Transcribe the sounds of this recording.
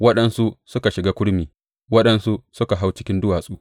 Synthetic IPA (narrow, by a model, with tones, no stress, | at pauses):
wɐ˦ɗɐ˦nsu˦sʊ˦ka˨ʃɪ˨ɡaː˦kʷʊ˦ɽmiː˨ | wɐ˦ɗɐ˦nsu˦sʊ˦ka˨ɦa˦wt͡ʃɪ˦kʲɪ˦ndʊ˦waː˨sʼuː˦